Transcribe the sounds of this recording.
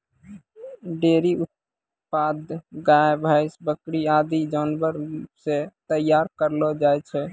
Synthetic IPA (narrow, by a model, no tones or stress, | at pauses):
ɖeɾiut̪̚ | pad̪ɡajbʱaɪsbəkɾiad̪id͡ʒanbəɾset̪əjːaɾkəɾlɔd͡ʒajt͡ʃʰɛ